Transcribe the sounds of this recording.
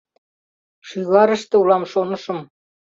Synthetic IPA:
ʃiɣɑɾɤ̆ʃt̪ɤ̆ulˠɑmʃonɤ̆ʃɤ̆m

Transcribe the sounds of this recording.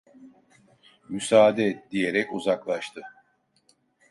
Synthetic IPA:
mysaːd̪ɛd̪ije̞ɾɛcuzaklˠaʃt̪ʰɯ

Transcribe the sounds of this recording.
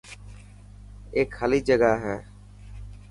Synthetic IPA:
eːkʰːaliːd͡ʒəɡaːɦɛː

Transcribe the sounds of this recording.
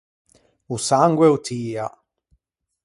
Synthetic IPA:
usaŋɡwɛwt̪ʰiːa

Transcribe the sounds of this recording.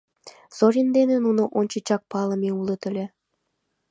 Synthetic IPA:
z̥oɾʲind̪enĕnunoʔonʲt͡ɕit͡ɕɑk̚pɑlˠɤ̆meulˠɤ̆t̪ə̆lʲĕ

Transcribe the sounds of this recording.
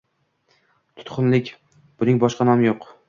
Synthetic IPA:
t̪ʰʊ̥t̪qʰʊnlɪkʲ | b̥ʊnɪŋbɒʃqɑnɒmjoq

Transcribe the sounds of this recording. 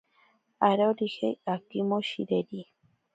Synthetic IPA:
aɾoɾihḛakimoʃḭɾeɾi

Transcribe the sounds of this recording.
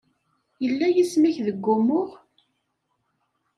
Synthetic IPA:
jəlːæjismiçðəɡːʊmʊʁ

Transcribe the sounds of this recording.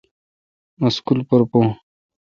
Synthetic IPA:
mɐskulpəɾpõ

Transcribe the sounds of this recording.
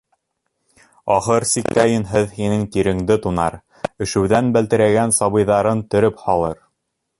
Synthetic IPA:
ɑχɤɾsik̚t̪æjɘnɦɘðɦinɘŋt̪iɾɘ̆ŋd̪ɘt̪unɑ̰ɾ | ɘ̆ʃɘ̆wðænbælt̪ɘ̆ɾæɡænsɑβɤ̆jðɑɾɤnt̪ɵ̆ɾɵphɑlˠɤɾ

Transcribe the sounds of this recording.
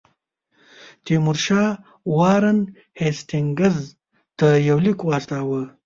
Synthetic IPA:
t̪imuɾʃɑː | wɑːɾɐn | hesʈ̪iŋɡɐz | t̪əjɐwlikwaːst̪aːwə

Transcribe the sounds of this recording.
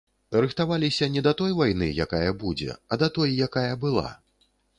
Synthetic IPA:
ɾɨxt̪avalʲisʲɐnʲɛd̪ɐt̪ɔjvajnɨ̰jakajɐbud͡zʲɛ̰ɐd̪ɐt̪ɔjːakajɐbɨlˠa̰

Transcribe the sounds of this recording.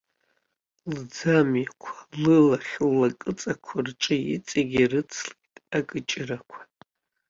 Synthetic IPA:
ld͡zamjakʷʰḁlɨlaχʲlːakʼɨt͡sʼakʷʰarʈ͡ʂʼɨḭt͡sʼaɡʲirɨt͡sʰlitʼakʼɨt͡ʃʼɪrakʷʰḁ

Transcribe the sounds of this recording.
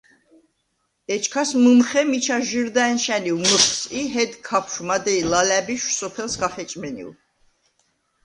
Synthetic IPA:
ɛt͡ʃʰkʰasmɨmχɛmit͡ʃʰaʒiɾd̪aɛnʃɛniuməχsʼiɦɛd̪kʰapʰʃmad̪ɛilalæbiʃsɔpʰɛlsɡaχɛt͡ʃʼmɛnḭl

